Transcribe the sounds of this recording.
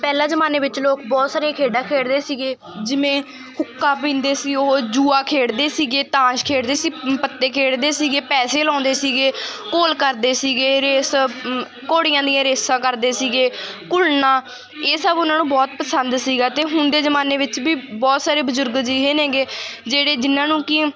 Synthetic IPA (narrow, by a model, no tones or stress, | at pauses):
pɛːlãːzəmaːneːʋɪt͡ʃloːkbɔːt̪saːɾejãːkʰeːɖaːkʰeːɽd̪eːsiːɡeː | d͡ʒɪmẽː | kʰʊkːaːpĩːnd̪eːsiːod͡ʒuːaːkʰeːɽd̪eːsiːɡeːt̪ãːʃkʰeːɽd̪eːsiːpət̪ːeːkʰeːɽd̪eːsiːɡeːpɛːseːlaːnd̪eːsiːɡeːkoːlkəɾd̪eːsiːɡeːɾeːs | koːɽɪjãːd̪ɪjãːɾeːsãːkəɾd̪eːsiːɡeːkʊlnãː | eːsəbʊnãːnũːbɔːt̪pəsənd̪siːɡaːt̪eːɦʊnd̪eːzəmaːneːʋɪt͡ʃbiːbɔːt̪saːɾeːbəzʊɾɡd͡ʒiːɦeːnẽːɡeːd͡ʒeːɽeːd͡ʒɪnːãːnũːkɪ